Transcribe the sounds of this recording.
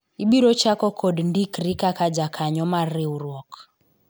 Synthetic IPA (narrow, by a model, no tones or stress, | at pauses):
iɓiɾɔt͡ʃakɔkʰɔdndikrikakad͡ʒakʰaɲɔmariurɔk